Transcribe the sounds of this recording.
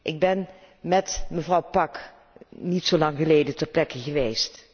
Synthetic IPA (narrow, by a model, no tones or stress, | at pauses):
ʔɪɡ̚bɛn | mɛtməvrɑwpɑk | nitsolɑŋχəlejdətərplɛkəχəʋejst